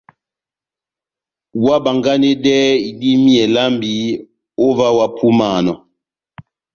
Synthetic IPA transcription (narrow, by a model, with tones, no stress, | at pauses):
wa˦ba˨ŋɡa˦ne˦dɛ˦i˨di˦mi˦ɛ˨la˦mbi˨˦ | o˦va˦wa˦pʰu˦ma˦˨nɔ˨